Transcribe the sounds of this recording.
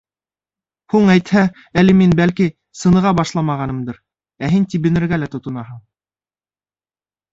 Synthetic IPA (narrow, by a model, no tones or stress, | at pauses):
huɴæjt̪hæ | ælɘminbælki | sɤ̆nɤ̆ʁɑbɑʃlˠɑmɑʁɑnɤ̆md̪ɤɾ | æɦint̪ibɘ̆nɘ̆ɾɡælæt̪ŏt̪ŏnɑɦɤɴ